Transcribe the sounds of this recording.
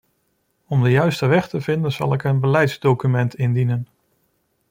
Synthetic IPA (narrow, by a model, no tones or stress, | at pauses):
ɔmdəjœɥstəʋɛχtəvɪndənz̥ɑ̰lˠɪkənbəlɛjtz̥dowkymɛntɪndinən